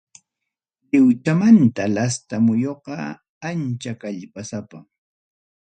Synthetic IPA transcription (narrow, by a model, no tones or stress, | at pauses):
ʎɪwt͡ʃamant̪alast̪amʊjoqɑ | ant͡ʃakaʎpasapa